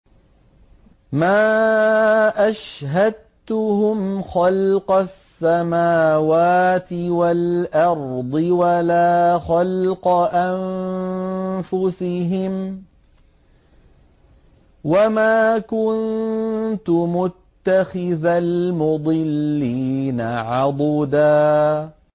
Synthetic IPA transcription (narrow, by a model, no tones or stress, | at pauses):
maː | ʔaʃɦad̪̚ | t̪ʊhʊmxɑlqɑsːamaːwaːt̪ɪwalʔɑɾˤd̪ˤɨwalaːxɑlqɑʔan | fʊsɪɦɪm | wamaːkʊn | t̪ʊmʊt̪ːaxɪðalmʊd̪ˤɨlːiːnaʕɑd̪ˤd̪aː